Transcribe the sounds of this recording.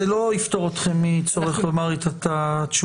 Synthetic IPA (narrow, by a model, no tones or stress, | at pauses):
elo̞ift̪o̞ʁot̪χe̞mːit͡so̞ʁeχlomaʁet̪at̪at̪ʃu